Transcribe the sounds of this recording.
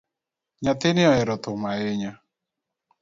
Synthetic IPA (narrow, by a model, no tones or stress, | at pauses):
ɲat̪ɪnɪɔɛɾɔt̪ʊmaeɲa